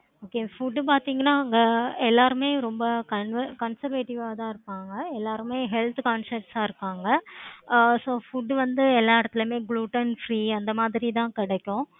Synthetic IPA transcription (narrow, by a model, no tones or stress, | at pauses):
oːkeːfʊɖp̬aːɾt̪iːŋɡɐnːaːɐŋɡɐɛlːaːɾɯmeːɾɔmbɐkɐnʋɐkɐnsɐɾʋeːʈɪʋaːt̪ãːɪɾɯpːaːŋɡɐɛlːaːɾɯmeːɦɛlt̪kaːnsɐʈsaːɪɾɯkːaːŋɡɐ | soːfʊɖːʋɐnd̪ɯɛlːaːɪɽɐt̪ːɪlmeːɡluːʈɐnfɾiːɐnd̪ɐmaːðɪɾit̪̬ãːkɪɽɛkːʊ̃